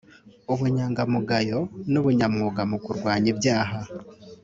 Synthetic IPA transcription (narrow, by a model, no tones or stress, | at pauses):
uβuɲaːŋɡamuɡajo̞nuβuɲamŋuːɡamukuɾɡwaːɲibjaːɦa